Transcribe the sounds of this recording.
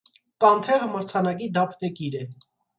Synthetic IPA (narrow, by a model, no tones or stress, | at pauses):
kɑnt̪ʰɛʁəməɾt͡sʰɑnɑkid̪ɑpʰnəkiɾɛ